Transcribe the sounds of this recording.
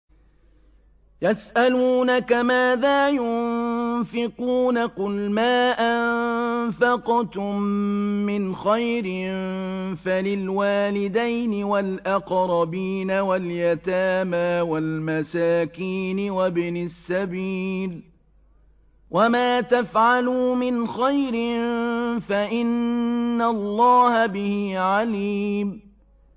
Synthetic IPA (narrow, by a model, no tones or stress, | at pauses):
jasʔaluːnakamaːðaːjʊnfɪquːnaqʊlmaːʔanfɑqt̪ʊmːɪnxajɾɪ | falɪlwaːlɪd̪ajnɪwalʔɑqɾˤɑbiːnawaljat̪aːmaːwalmasaːkiːnɪwabnɪsːabiːl | wʔamaːt̪afʕaluːmɪnxajɾɪnnfaʔɪnːalˤːɑːhabɪhɪʕalim